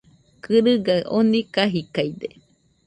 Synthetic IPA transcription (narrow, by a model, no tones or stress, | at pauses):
kɨɾɨɡaʔonikaɦikajd̪e